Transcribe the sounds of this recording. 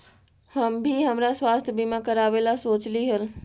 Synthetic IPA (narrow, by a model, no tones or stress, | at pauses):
həmbʱiɦəmɾaswaːst̪ʰjəbʱimakəɾaʋelasoːt͡ʃliɦəl